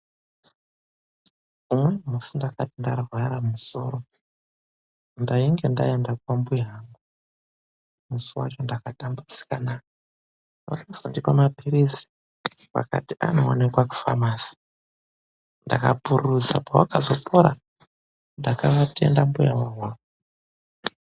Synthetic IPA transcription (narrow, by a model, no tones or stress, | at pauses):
umwemusindakatindarwaɾamuso̞̰ɾo̞ | ndaiŋɡenda̰jendak̚wambujaŋɡu | musiwa̰t͡ʃo̞ndakatambut͡si̥kanajo | wa̰kasandikamapiɾisi̥ | pa̰ka̰tiʔanoːnekwaku̥fa̰maːsi̥ | ndakapuruzapawakazo̞pʰoɾa | ndakaʋatʰe̞̰ndambujawawwak